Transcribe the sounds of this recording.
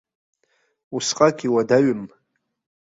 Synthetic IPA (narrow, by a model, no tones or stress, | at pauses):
usqʼakʼiwadaɥɪm